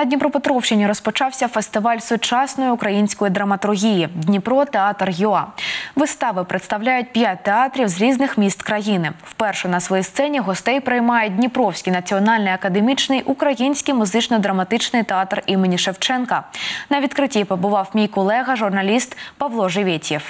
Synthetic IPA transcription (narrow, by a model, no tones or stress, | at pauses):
nɐdʲnʲipɾɔpet̪ɾɔwʃt͡ʃɪnʲiɾɔspɔt͡ʃɑwsʲɐfest̪ɪʋɑlʲsʊt͡ʃɑsnɔjiʊkɾɐjinʲsʲkɔjid̪ɾɐmɐt̪ʊrɦʲijidʲnʲipɾɔt̪eɑt̪rjuɑʋɨst̪ɑʋɪpɾʔet̪st̪ɐwlʲajʊt̚ʲpʲjat̚ʲt̪eɑt̪ɾʲiwzɾʲiznɪxmʲist̪kɾɐjinɪwpɛrʃɛnɐsʋɔjist̪sɛnʲiɦɔst̪ɛjpɾɪjmɑjɛdʲnʲipɾɔwsʲkʲijnɐt͡sʲiɔnɑlʲnɪjɐkɐd̪emʲit͡ʃnɪjʔʊkɾɐjinʲsʲkʲijmʊzɪt͡ʃnɔd̪ɾɐmɐt̪ɪt͡ʃnɪjt̪eɑt̪rimɪnʲiʃewt͡ʃɛnkɐnɐʋʲit̪kɾɪtʲipɔbʊʋɑwmʲijkɔlˠɛɣɐʒʊrnɐlʲist̪pɐʋlˠɔʒeʋʲetʲjɛw